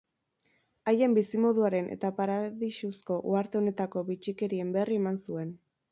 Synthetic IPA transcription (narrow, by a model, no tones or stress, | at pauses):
aje̞mbisimo̞ðuaɾe̞nʔe̞̰t̪apaɾaðiʃusko̞ʔuaɾt̪e̞o̞ne̞t̪ako̞βit͡ʃike̞ɾie̞mberie̞mansue̞n